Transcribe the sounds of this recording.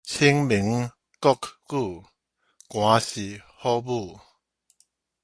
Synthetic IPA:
t͡ɕʰi˦ŋmi˨˦ŋ | kɔ˥˦˨kːu˥˧ | kwã˨˦ɕi˨˩ | hɔ˦bu˥˧˩

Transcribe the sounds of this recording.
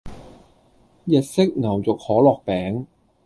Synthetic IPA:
jɛ˨t̚sɪ˥k̚ŋɐ˨˩wt͡sʊ˨k̚hɔː˨˥lɔː˨k̚pɛː˨˥ŋ

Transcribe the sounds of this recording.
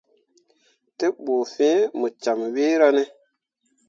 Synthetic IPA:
te˦ɓoː˨fɛ̃˦mu˨t͡ʃa˨mwe˦ɾa˦ne˦

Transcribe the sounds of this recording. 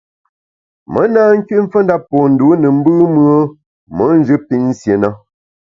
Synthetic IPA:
mə˨˦naː˦ŋ̩˦kɥi˦ɱ̩˦fə˦n˦da˦pːo˨n̩˨du˨˦nə˨m̩˦bɨ˦mɰə˦ | mə˨˦n˦d͡ʒɨ˦pi˦˨n̩˦sje˨na˦

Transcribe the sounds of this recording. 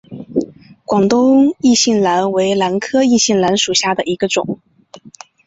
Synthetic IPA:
kwɑ˨˩ŋt̪ʊ˥ŋi˥˧ɕi˥˩nla˧˥nwe˧˥ɪla˧˥nkʰɤ˥i˥˧ɕi˥˩nla˧˥nʂu˨˩ɕja˥˩d̪ə˩i˧˥ɡə˧ʈ͡ʂʊ̰˨˩˦ŋ

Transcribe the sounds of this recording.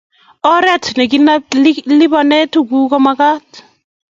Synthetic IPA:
ɔ˦ɾɛ˦˨tnɛ˨k̬i˦na˦llɪ˦bɔ˨nɛ˦tu˦˨ku˦kɔ˦ma˦ka˦t

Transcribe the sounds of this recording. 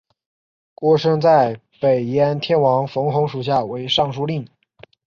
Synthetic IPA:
kwɔ˥ʂɤ˥ŋt͡sa˥˩ɪ | pe˨˩ɪjɛ˧˥nt̪ʰjɛ˥nwɑ˧˥ŋfɤ˧˥ŋxʊ˧˥ŋʂu˨˩ɕ̬ja˥˩we˧˥ɪʂɑ˥˧ŋʂu˥˧li˥˩ŋ

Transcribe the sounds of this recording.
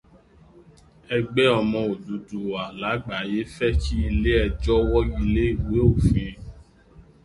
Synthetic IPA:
ɛ˧ɡ͡bɛ˦ɔ˧mɔ̃˧o˨du˨˦du˨a˨la˨˦ɡ͡ba˨˦je˦fɛ˦t͡ʃi˦i˧le˦ɛ˧d͡ʒɔ˦wɔ˦ɡi˧le˦i˦˨we˨˦o˦˨fĩ˧˨

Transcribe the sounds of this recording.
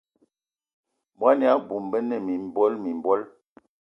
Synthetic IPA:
bwa˦ni˨a˦bu˨mbə˦nə˦˨mi˨m˨bɔ˦lmi˨m˨bɔ˦l

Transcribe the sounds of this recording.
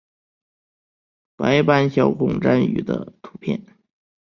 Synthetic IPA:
pa˧˥ɪpa˥nɕjɑ˧˥ʊkʰʊ˨˩ŋʈ͡ʂa˥ny̰˨˩d̪ə̰˦t̪ʰu̥˧˥pʰjɛ̰˥˩n

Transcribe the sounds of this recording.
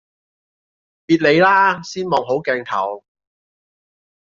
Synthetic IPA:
piː˨˩t̚le˨˧jlaː˥siː˥nmɔː˨ŋɦo˨˥wkɛː˧ŋt̪ʰɐ̰˨˩w

